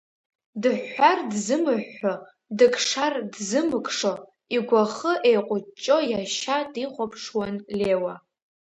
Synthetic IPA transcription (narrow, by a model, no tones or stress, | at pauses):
dɨħːardzɨmɨħːo | dɨkʼʰʂardzɨmɨkʰʼʂo | iɡʷaχəʔejqʷʼʊt͡ʃʼo̞jaʃadiχʷapʰʂwanle̞wa